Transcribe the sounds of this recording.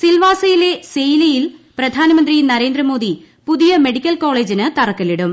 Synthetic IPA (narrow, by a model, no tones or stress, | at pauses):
silʋaːsɐjile̞sejlɐjilprɐd̪ʱaːnɐmɐnd̪rinɐɾe̞ːnd̪rɐmo̞ːd̪i | puðijɐmeɽikʲːɐlko̞ːɭe̞ːd͡ʑinɨt̪ɐrɐkːɐliɽum